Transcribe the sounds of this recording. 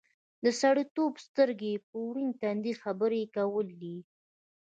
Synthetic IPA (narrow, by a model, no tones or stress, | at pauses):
d̪əsaɽit̪obst̪əɾɡepəwɾint̪and̪ilxabəɾekawəlːi